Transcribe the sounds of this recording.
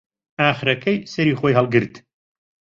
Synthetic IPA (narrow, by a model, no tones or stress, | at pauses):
aːχɨɾɐkʰɐjsɐɾiːxoːjɦɐlˠɡɨɾt̪